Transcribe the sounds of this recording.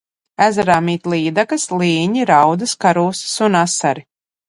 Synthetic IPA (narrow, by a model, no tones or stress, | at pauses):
æzaɾaːmiːt̪lˠiːd̪akɐslˠiːɲiɾawd̪ɨskaɾuːssunasaɾi